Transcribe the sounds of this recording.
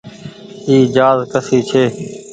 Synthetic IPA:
iːd͡ʒaːzkəsiːt͡ʃʰeː

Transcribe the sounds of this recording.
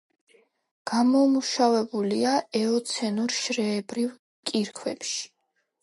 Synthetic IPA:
ɡ̥amɔmuʃavɛbuliaɛɔt̪sʰɛnuɾʃɾɛːbɾiv | kʼiɾkʰwɛpʃi̥

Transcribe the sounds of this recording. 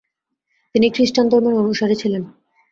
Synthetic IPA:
t̪inikɾiʃʈand̪ʱɔɾmoɾɔnuʃaɾet͡ɕʰilen

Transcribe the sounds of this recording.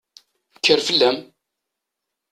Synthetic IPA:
kʰːəɾfəlːæm

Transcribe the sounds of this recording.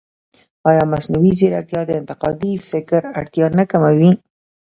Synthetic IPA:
ɑjɑmasnawizeɾat̪jɑd̪əɪnt̪ɪqɑd̪ifɪkɾaɽt̪jɑnakamawi

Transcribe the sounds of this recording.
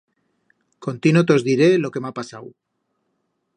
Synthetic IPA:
ko̞nt̪inot̪eo̞zðiɾe̞lo̞ke̞mapasaw

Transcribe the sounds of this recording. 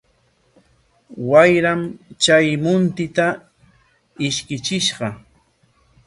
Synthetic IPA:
wajɾamt͡ʃajmʊnt̪ɪt̪a | ɪʃkɪt͡ʃɪʃɢɑ

